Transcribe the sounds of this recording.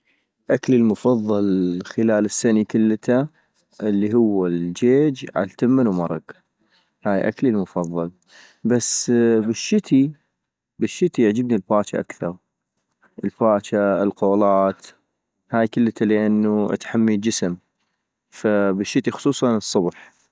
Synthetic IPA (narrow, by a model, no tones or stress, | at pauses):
ʔaklilmʊfɑðˤːɑlxəlaːlɪsːanikəlːt̪a | ʔɪlːiɦʊwːald͡ʒeːd͡ʒʕa̰lt̪amːɪnwmɑɾˤɑɡ | haːjʔa̰klilmʊfɑðˤːɑl | basbɪʃːɪt̪i | bɪʃːɪt̪iʕd͡ʒəbnilfaːt͡ʃa̰ʔakθɑɾˤ | ʔəlfaːt͡ʃaɪlqoːlɑːt̪ | haːjkəlːt̪ʰaləʔanːuʔa̰t̪ħamːid͡ʒɪsm | fabɪʃːɪt̪ixʊ̥sˤuːsˤɑnɨsˤːʊbħ